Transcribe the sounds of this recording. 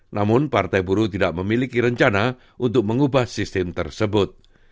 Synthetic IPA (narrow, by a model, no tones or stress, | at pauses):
namʊnpart̪ajbuɾut̪idaʔməmilikiɾəɲt͡ʃana | ʔunt̪ʊk̚məŋubahsist̪ɪmt̪ərsəbʊt̪̚